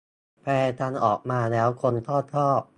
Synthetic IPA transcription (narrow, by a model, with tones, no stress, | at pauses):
pʰɛː˧˩t̪ʰa˧nʔɔ̰ː˨˩k̚maː˧lɛː˦˥wkʰo˧nt̪ʰɔː˥˩t̪ʰːɔː˥˩p̚